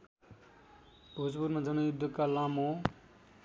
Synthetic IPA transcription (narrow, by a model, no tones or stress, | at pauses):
b̥ʱod͡zbuɾmad͡zʌnʌjud̪ʱːəkalamo